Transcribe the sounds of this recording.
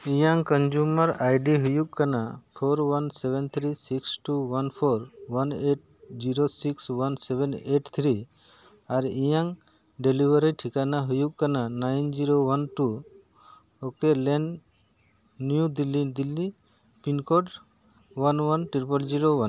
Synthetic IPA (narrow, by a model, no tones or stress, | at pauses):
ijaŋkənd͡ʒuməɾajɖiɦujukkanapʰoɾwənsɛβɛnt̪ʰɾisiksʈuwənpʰoɾwəneʈ̚d͡ʒiɾosikswənsɛbɛneʈt̪ʰɾi | aɾijaŋ | ɖelibəɾiʈʰikanaɦujukːananajnd͡ʒiɾowənʈu | okelɛɳ | njud̪ilːid̪ilːi | pinkoɖ | ʋənwənʈɾipəld͡ʒiɾowən